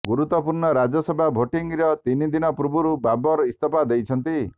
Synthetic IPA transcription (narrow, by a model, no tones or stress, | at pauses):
ɡuɾut̪ːɔpuɾɳɔɾad͡ʒɔsɔbʱabʱoʈiŋɡiɾɔt̪inid̪inɔpɾubuɾubabɔɾɔist̪ɔpad̪ejt͡ʃʰɔnt̪i